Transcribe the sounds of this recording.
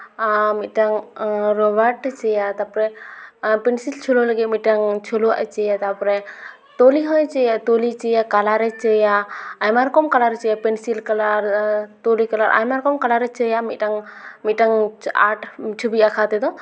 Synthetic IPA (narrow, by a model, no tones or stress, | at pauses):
mit̪̚ʈaŋɾɔbaɾʈt͡ʃɛjat̪apɾɛ | pɛnsilt͡ʃʰɔlɔləɡit̪̚ˀmiʈaŋt͡ʃʰɔlɔa̰ʔɛt͡ʃɛjat̪apɾɛ | t̪ɔliɦɔ̃jt͡ʃɛjat̪olit͡ʃɛjakalaɾɛt͡ʃɛjaːjmaɾkɔmkalaɾɛt͡ʃɛjapɛnsilkalaɾt̪ɔlikalaɾʔa̰jmaɾkɔmkalaɾɛt͡ʃɛjamit̪̚ʈaŋmit̪̚ʈaŋa̰ʈʰt͡ʃʰubiakʰat̪ɛd̪ɔ